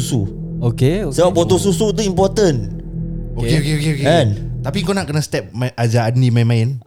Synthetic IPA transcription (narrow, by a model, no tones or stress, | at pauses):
sṵ | okesəbaʔbot̪os̬usut̪̬uimpɔt̪ən | okeokeokeokeɛnt̪apikonaʔkənãst̪ɛp̚maʔad͡ʒaanimamãɪn